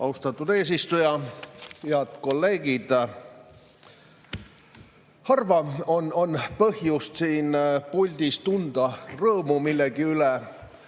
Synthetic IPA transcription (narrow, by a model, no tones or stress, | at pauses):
ʔɑ̰wst̪ɑt̪ːˑud̪e̞ːs̬ist̪ujɑhiɑd̪̥ko̞lːe̞ːɡid̪̥ | hɑrvɑono̞npɤhjust̪siːnpulʲd̪ist̪und̪̥ɑrɤːmumilːeɡ̥iylɛ